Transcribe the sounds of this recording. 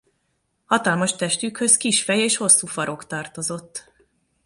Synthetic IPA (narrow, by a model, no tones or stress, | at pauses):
hɒt̪ɒlmɒʃt̪ɛʃt̪ykhø̞skiʃfɛjeːʃho̞sːuːfɒɾo̞kt̪ɒːrt̪o̞zo̞t̪ː